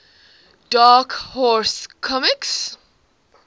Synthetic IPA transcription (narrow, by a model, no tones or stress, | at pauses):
d̥ɑkhɔɹskʰɔmɪks